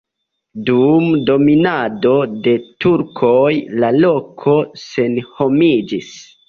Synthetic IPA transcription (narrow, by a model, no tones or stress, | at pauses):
dumdo̞minado̞de̞tuɾkʰojlalo̞kʰo̞se̞nho̞mid͡ʒis